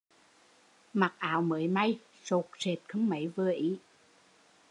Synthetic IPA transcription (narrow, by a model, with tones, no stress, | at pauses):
ma˨˩k̚ʔaː˨˦wməː˨˦jma˧j | so˨˩k̚se˨˩t̚kʰə˧ŋ͡mmə˧˨˦jvə˧˩əʔi˨˦